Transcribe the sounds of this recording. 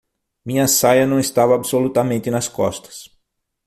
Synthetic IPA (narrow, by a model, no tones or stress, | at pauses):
mĩɲɐsajɐnɐ̃w̃ɪst̪avɐːbsolut̪ɐmẽnt̪ɪnɐskɔst̪ɐ̥s